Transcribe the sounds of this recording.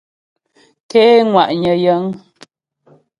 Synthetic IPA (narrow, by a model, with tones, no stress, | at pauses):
kɛ˦ŋwa˨ʔɲə˨jə˨˦ŋ